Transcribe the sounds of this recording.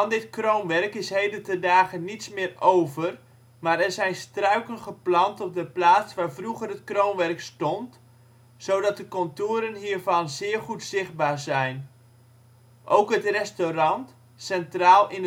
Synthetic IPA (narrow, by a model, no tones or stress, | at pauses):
ɑndɪtkrownʋɛrkɪsɦejdətədaːχənitsmɪːrowvər | maːɾɛɹzɛjnstrœɥkənχəplɑntɔp̚dəplaːtsʋaːɹvruχərɦətkrownʋɛrkstɔnt | z̥owdɑt̚dəkɔntoːɾənɦiːɹvɑnzɪːɹχutsɪχd̚baːɹzɛjn | ʔowkɦətrɛstorɑnt | sɛntraːlˠɪn